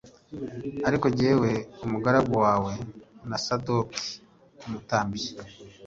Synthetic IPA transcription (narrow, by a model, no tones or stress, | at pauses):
aɾiko̞ɟe̞ːwe̞umuɡaɾaɡuwaːwe̞nasadoki̥ | umutaːmbije